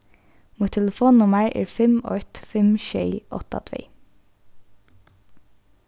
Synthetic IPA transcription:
muːt̪ʰɛləfoːnnʊməɹʔḛːɹfɛmɔ̰ɹt̪fɛmʃeɪʔɔt̪ɑ̰t̪ʰʋḛː

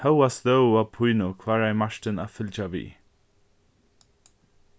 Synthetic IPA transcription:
hawasðowapʰujnukʰvaɹajmaʃtənafɪld͡ʒavḭː

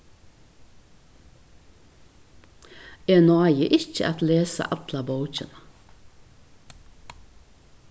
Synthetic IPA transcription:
eːnɑɪəʔɪçə̰ʔɑt̪leːsə̰ʔɑt̪lɑboʉc͡çənə

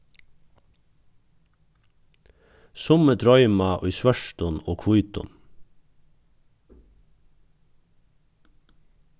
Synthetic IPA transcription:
sʊmət̪ʰɾɔʏmɑʔɔʏsʋœʃtʊnoːkʰʋʊʏt̪ʊ̰n

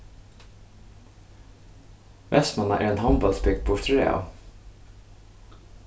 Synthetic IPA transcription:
ʋʔɛsmɑnɑ̰ʔiːeːnhɑmbɑlsbʏɡ̚d̪̚bʊʈ̪ʉɾḛːɑ̰

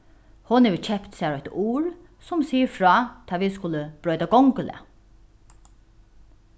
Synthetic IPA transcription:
hʊnhɛʋɪt͡ɕʰɛpt̪sɛːɾɔjt̪uːɹ | sʊmsiːfɹɔːt̪ʰɑːʋiskʊləb̥ɾœːt̪aɡɔŋkəlɛ̰

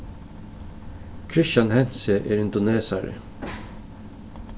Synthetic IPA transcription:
kʰɹɪʃjɑnhɛnsəʔeːɹɪnd̪ʊneːsɑɹə̰

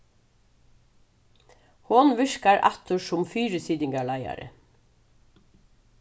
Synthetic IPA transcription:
hʊnʋɪʃkɑɹʔæt̪əʃʊmfyːɾəsiːd̪ɪŋɡɑɭɑɪɑ̰ɾə̰

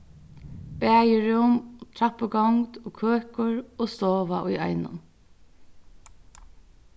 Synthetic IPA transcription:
b̥æːjɪɹʊmt̪ʰɹapəɡɔŋt̪oːkʰøːkʊɹoːst̪oːʋaʔʊjɑ̰ɪnʊ̰n

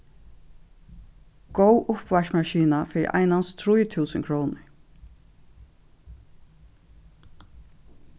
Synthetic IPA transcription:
ɡ̥owʔʊpʋaʂmaʃiːnafɪ̰ːʔa̰jnanst̪ʰɾujt̪ʰuːsəŋkʰɾoːnɪɹ

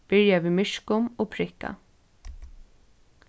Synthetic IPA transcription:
b̥ɪɹjaviːðmɪʃkʊmɔːpʰɾɪhka̰

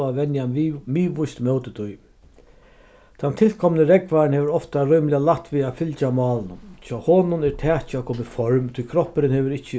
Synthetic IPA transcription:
aʋɛnjamiːʋʊjst̪mœwt̪ət̪ʊj | t̪ʰant̪ʰɪlkʰɔmnəɾɛkvaɾnhɛːʋəɾɔft̪aɾɔjmlɪalakt̪ːviafɪlt͡ʃamɑːlnʊmt͡ʃʰɔhoːnʊnɛɾt̪ʰɛːt͡ɕakʰoːmɪfɔɹmt̪ʰʊjkʰɾɔhpɪɾɪnhɛːʋɪɾɪht͡ɕːə

